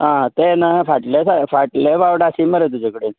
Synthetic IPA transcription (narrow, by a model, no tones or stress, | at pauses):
ɦãt̪enafaʈlesafaʈlẽbaʋɽasiməɾet̪ud͡ʑʱakəɽe